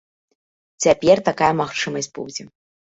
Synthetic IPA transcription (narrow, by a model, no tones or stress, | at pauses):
t͡sʲapʲɛrt̪akajɐmaxt͡ʂɨmɐsʲt̚ʲpṵwd͡zʲɛ